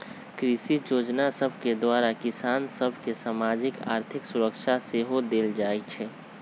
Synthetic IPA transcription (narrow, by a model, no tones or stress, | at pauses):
kɾɪʃijoːd͡ʒnasəbʱked̪waːɾakɪsaːnsəbʱkesaːmaːd͡ʒɪka̰ːɾt̪ʰɪksʊɾəkʃʰaseɦod̪eːld͡ʒaːit͡ʃʰɛː